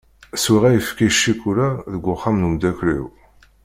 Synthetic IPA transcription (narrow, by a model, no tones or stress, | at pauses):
swiʁæjəfkiʃːikʊɾaðəɡʷːʊχːamnumd̪ækɾḭw